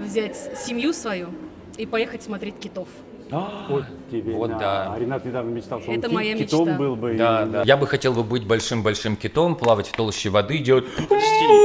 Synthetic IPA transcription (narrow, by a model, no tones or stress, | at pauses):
vzʲætʲsʲɪmʲjusvɐju | ipɐjexətʲsmɐt̪ɾʲetʲkʲɪt̪of | ao | tʲːɪbʲevot̪d̪aɐɾʲɪnat̪nʲɪd̪avnəmʲɪt͡ɕt̪alˠʃt̪oɛnt̪əmɐjamkɪt͡ɕ̪ot̪mbɨlˠbɨd̪ad̪ajabɨxɐtʲe̞lˠbɨbɨtʲbɐlʲʂɨmbɐlʲʂɨmkʲɪt̪o̞mplˠavətʲft̪olˠɕːɪvɐd̪ɨdʲelˠətʲi